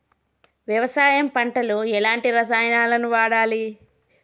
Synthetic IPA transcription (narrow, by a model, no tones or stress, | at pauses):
ʋjɐʋɐsaːjɐmpɐɳʈɐluɛlaːɳʈiɾɐs̬aːjɐnaːlɐnuʋaːɽaːli